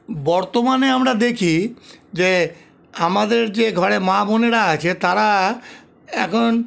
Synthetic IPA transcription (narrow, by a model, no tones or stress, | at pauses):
bɔɾt̪omaneamɾad̪ekʰid͡ʑe | amad̪eɾd͡ʑeɡʱɔɾemaboneɾaat͡ɕʰet̪aɾa | ɛ̰kʰon